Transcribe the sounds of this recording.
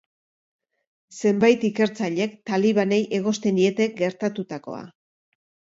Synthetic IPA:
se̞mbajt̪ike̞ɾt͡saʎe̞kt̪aliβ̞ane̞jʔe̞ɣ̞o̞st̪e̞nd̪ie̞t̪e̞ɡe̞ɾt̪at̪ut̪ako̞̰a̰

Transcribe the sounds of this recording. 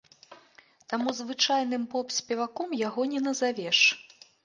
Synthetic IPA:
t̪amuzvɨt͡ʂajn̪ɨmpɔpsʲpʲɛvakɔmjaɣɔnʲɛnɐzavʲɛʂ

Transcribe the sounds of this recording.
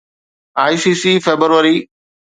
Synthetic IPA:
aːisiːsiːfeːbɾəɾʋəɾiː

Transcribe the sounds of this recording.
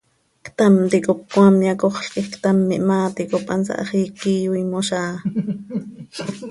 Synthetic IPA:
kt̪ɑmt̪ikop̚kwɑmjɑkoχɬkixkt̪ɑmːiʔmɑːt̪ikopʔɑ̰nsɑ̰ʔɑ̰χiːkiːwimoʃɑː

